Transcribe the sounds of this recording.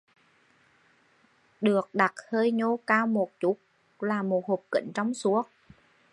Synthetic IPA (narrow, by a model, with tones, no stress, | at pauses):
ɗɨ˨˩ək̚ɗa˨˩t̚həː˧jɲo˧kaː˧wmo˨˩t̚t͡ɕu˦˥k̚ | laː˨˩mo˨˩t̚ho˨˩p̚kḭ˧˩˨ŋ̟t͡ɕɔ˧wŋ͡msu˨˦ək̚